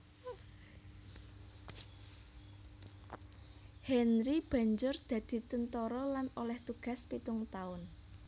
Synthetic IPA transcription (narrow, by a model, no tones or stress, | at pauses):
hɛnɾib̥ä̤ɲd͡ʒʊrd̪̥ä̤d̪̥i̤t̪ənt̪ɔɾɔlanolɛht̪uɡ̥a̤spit̪ʊŋt̪aʊn